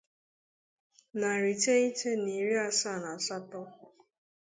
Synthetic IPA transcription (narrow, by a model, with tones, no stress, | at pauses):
na˨ɾi˨te˦i˦te˦ni˨ɾi˦a˦sa˦˨na˨sa˦tɔ˦